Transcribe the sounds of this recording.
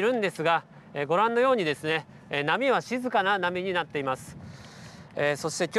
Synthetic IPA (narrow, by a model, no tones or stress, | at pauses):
ɾɯ̟̃nd̪e̞sɨɡa | eɡo̞ɾãnːo̞jo̞ːɲ̟id̪e̞sɨne̞ | namʲiβ̞aɕizɨkananamʲiɲ̟inat̪ːe̞imasɨ̥ | eːso̞ɕi̥t̪e̞kʲ